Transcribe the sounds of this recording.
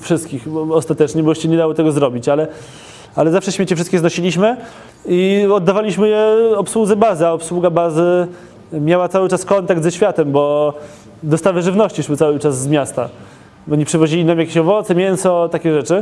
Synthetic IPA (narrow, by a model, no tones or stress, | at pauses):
fʂɘst̪kʲixɔst̪at̪ɛt͡ʂɲɛbɔjɛɕt͡ɕɛɲɛd̪awɔt̪ɛɡɔzɾɔbʲit͡ɕalɛ | alɛzafʂɛɕmʲɛt͡ɕɛfʂɘst̪kʲjɛznɔɕilʲiɕmɘ | iɔd̪ːavalʲiɕmɘjɛɔpswud̪zɛbazɘaɔpswuɡabazɘ | mʲjawat̪sawɘt͡ʂaskɔnt̪aɡd̪zɛɕfʲjat̪ɛmbɔ | d̪ɔst̪avɘʐɘvnɔɕt͡ɕiʂwɘtsawɘt͡ʂazːmʲjast̪a | ɔɲipʂɨvɔʑilʲinamjakʲeɕɔvɔt̪sɛmʲjɛnsɔt̪akʲɛʐɛt͡ʂɘ